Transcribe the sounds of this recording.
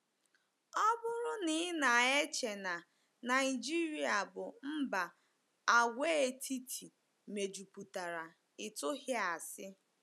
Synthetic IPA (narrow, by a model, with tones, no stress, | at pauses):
ɔ˦bʊ˦ɾʊ˦ni˦na˨e˦t͡ʃe˨na˨ | na˨ɪ˨d͡ʒi˦ɾi˨a˨bʊ˨m̩˦ba˨ | a˨ɡʷe˦e˦tʰi˦tʰi˨ | me˨d͡ʒu˨pu˨ta˨ɾa˨ | ɪ˨tʊ˦hɪ˦a˨sɪ˦